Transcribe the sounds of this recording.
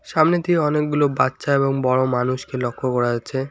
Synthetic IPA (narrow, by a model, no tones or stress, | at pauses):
ʃamnit̪iɔnek̚ɡulobatːɕaeβoŋbɔɽomanuʃkelɔkʰːokɔɾad͡ʑaːɕʰe